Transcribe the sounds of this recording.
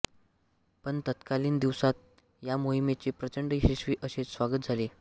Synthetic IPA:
pəɳt̪ət̪kaliːnd̪iʋsat̪̚ | jamoɦimet͡ɕepɾət͡ɕəɳɖɕiɕʋiːʔəɕet͡ssʋaɡət̪d͡zʱale

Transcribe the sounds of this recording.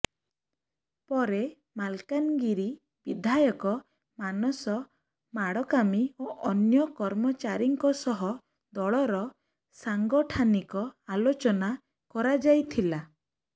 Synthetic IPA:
pɔɾe | malkanɡiɾi | b̥id̪ʱajɔkɔ | manɔsɔ | maɽɔkamioʔɔnjɔkɔɾmɔt͡ʃaɾiŋkɔsɔɦɔ | d̪ɔɭɔɾɔ | saŋɡɔʈʰanikɔalot͡ʃɔna | kɔɾad͡ʒajt̪ʰila

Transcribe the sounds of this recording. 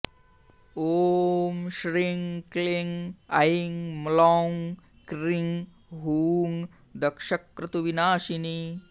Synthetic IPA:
oːmʃɾiŋkliŋɐjiŋmloŋ | kɾiŋ | ɦuːŋ | d̪ɐkʂɐkːɾɪt̪uʋinaːʃini

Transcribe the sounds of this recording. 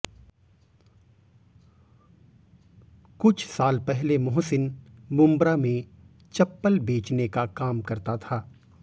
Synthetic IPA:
kʊt͡ʃʰsaːlpɛɦlemʊɦsɪnbʊ̃mbɾamẽ | t͡ʃɐpːəlbeːt͡ʃnekakaːmkɐɾt̪at̪ʰaː

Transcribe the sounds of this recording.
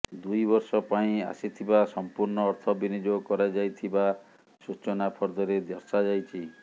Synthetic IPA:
d̪ujbɔɾsɔpaĩa̰sit̪ʰibasɔmpuɾnɔːɾt̪ʰɔbinid͡ʒokɔɾad͡ʒajt̪ʰiba | sut͡ʃɔnapʰɔɾd̪ɔɾed̪ɔɾsad͡ʒajt͡ʃʰi

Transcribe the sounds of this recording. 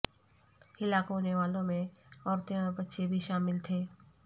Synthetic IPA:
hɪlaːkɦoːneʋaːlõmẽɔːɾt̪ẽɔɾbətːʃebʱiʃaːmɪlt̪ʰeː

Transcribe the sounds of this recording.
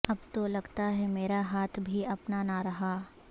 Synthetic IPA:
ɐb̚t̪olɐɡt̪aɦɛmeːɾaɦaːt̪ʰbʱiɐpnanaɾɐɦa

